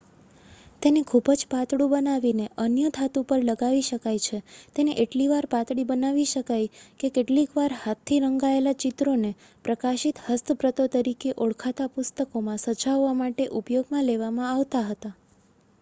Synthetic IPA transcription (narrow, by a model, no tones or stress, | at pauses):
t̪enekʰubəd͡ʒpat̪ɽũbənaʋineʔənjət̪ʰat̪upəɾləɡaʋiʃəkajt͡ʃʰet̪eneʔeʈliʋaɾpat̪ɽibənaʋiʃəkajkekeʈlikʋaɾhat̪ʰːiɾəŋɡaelat͡ʃit̪ɾone | pɾəkaʃit̪həst̪ʰəpɾət̪ot̪əɾikeʔoɭkʰat̪apʊst̪əkomãsəd͡ʒaʋːamaʈeʔupjoɡmãleʋamãaʋt̪aɦət̪a